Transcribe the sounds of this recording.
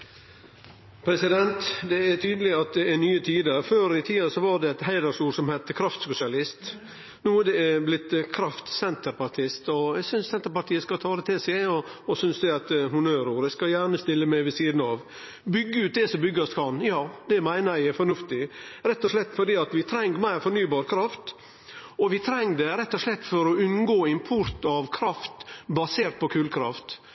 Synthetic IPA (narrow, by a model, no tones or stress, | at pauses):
pʰɾɛsɪd̪ɛnt̪d̪ɛɛt̪ʰyːd̪əlɪɑt̪̚d̪ɛɛnyːət̪ʰiːd̪əɾføːɾɪt̪ʰiːəsɔʋɑɖɛɛt̪ɦæɪd̪əɾʂuːɾsɔmhæɪt̪ːəkʰɾɑft̪sʊsɪɑlɪst̪ | nuːɛɖɛblɪt̪ːkʰɾɑft̪sɛnt̪əɾpɑʈ̪ʰɪst̪ɔæsʏnssɛnt̪əɾpɑʈ̪ʰiːəskɑt̪ʰɑːd̪ɛt̪ʰɪsɛɔɔsʏnsd̪ɛɑt̪ɦʊnøːɾuːɾɛskɑjæːɳəst̪ɪlːəmæɪʋɪsiːd̪n̩ɑʋ | bʏɡːəʉːt̪̚d̪ɛsɔmbʏɡɑskʰɑnjɑːd̪ɛmæɪnəɾæɪɛfɔɳʉft̪ɪɾɛt̪ːɔʂlɛt̪ːfɔɖiːɑt̪ʋɪt̪ʰɾɛŋːəmæɪɾfɔɾnyːbɑːɾkʰɾɑft̪ | ɔʋɪt̪ʰɾɛŋːd̪ɛɾɛt̪ːɔʂlɛt̪ːfɔɾɔʉnɡoːɪmpʰʊɾt̪ɑʋkʰɾɑft̪bɑseːɾt̪̚pʰɔkʰʉːlkʰɾɑ̰ft̪